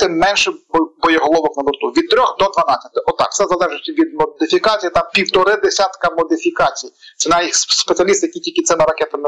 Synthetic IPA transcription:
t̪ɪmːɛnʃɛbbɔjɛɦɔlˠɔʋɔknɐbɔrt̪uʋʲid̪̚t̪ɾʲɔxd̪ɔd̪ʋɐnɑt͡sʲːɐ̥t̪ɪʔɔt̪ɑ̰kt̪sɛzɐlˠɛʒɪsʲɐʋʲid̪̚mɔd̪ɪfʲikɑt͡sʲijit̪ɑpʲiwt̪ɔɾɪd̪esʲat̪kɐmɔd̪ɪfʲikɑt͡sʲijit͡ʃʲinɑjixspet͡sʲiɐlʲist̪ɪjɐkʲitʲilʲkɪt̪sɪmɪɾɐkɛt̪ɐm

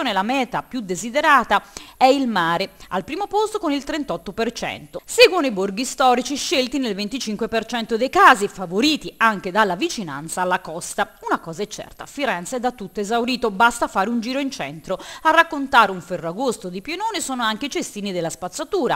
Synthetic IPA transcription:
oːnelamɛːt̪apjud̪ːezid̪eɾaːt̪aɛilmaːɾealpɾiːmopost̪okonilt̪ɾɛnt̪ɔt̪ːopert͡ʃɛ̰nt̪oseɡwonoiborɡist̪ɔːɾit͡ʃiʃːelt̪inelvent̪it͡ʃiŋkwepert͡ʃɛnt̪od̪ejkaːzifavoɾiːt̪iaŋk̟ed̪alːavit͡ʃina̰nt̪saːlːakɔst̪aunakɔːzaɛt͡ʃːɛ̰rt̪a̰fiɾɛnt̪sɛd̪ːat̪ːut̪ːoezawɾiːt̪obast̪afaːɾeund͡ʒiːɾoint͡ʃɛnt̪ɾoarːakːont̪aːɾeuɱfɛrːoaɡost̪od̪ipjenoːnisɔːnoaŋk̟eit͡ʃest̪iːnid̪elːaspat̪sːat̪uːɾa̰

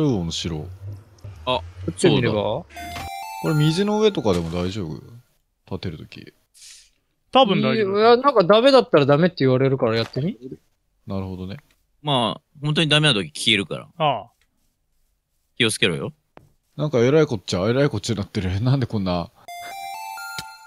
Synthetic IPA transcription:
ɾɯomɯɕiɾo | aat̪ːeiɾeβa | koɾemʲizɨno̞ɯ̟e̞t̪o̞kad̪e̞mo̞d̪aiʑo̞ːbɯ̰ | t̪at̪e̞ɾɯ̟t̪o̞kʲḭ | t̪abɯ̃najanãŋkad̪ame̞d̪at̪ːaɾad̪ame̞t̪ːeiβaɾe̞ɾɯ̟kaɾajat̪ːe̞mi | naɾɯ̟ho̞d̪o̞ne̞ | maː | hõnt̪oɲid̪ame̞nat̪okʲi̥kʲʰieɾɯ̟ka̰ɾa̰a | kʲio̞t͡sɨ̥ke̞ɾo̰ːjo | nãŋkae̞ɾaikot̪t͡ɕae̞ɾaikot͡ɕinat̪ːeɾɯenãnd̪e̞kõ̞nːa

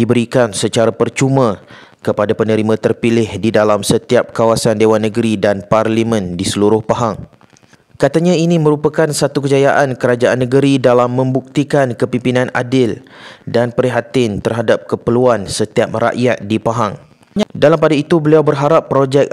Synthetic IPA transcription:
dibəɾikansət͡ʃaɾapərt͡ʃumã | kəpadapənə̃ɾimãt̪ərpilɪhdidalamsət̪iap̚kawasandewanːəɡɾidanparlimə̃ndisəluɾʊhpaɦaŋ | kat̪aɲãinĩmə̃ɾupakansat̪ukəd͡ʒajaʔankəɾad͡ʒaʔanːəɡəɾidalamːə̃mbuk̚t̪ikankəpimpinãna̰dɪldanpəɾiɦat̪ɪnt̪ərɦadap̚kəpəluansət̪iap̚ra̰ʔjat̪̚dipaɦaŋ | dalampadait̪ubəliawbərɦaɾapːɾod͡ʒɛk̚

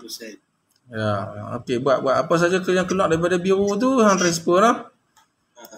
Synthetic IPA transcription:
jao̰kebuaʔbuaʔapas̬ad͡ʒakəliaŋkəlwak̚daɾip̬adabiɾut̪̬usantɾɛs̬pəɾɔh

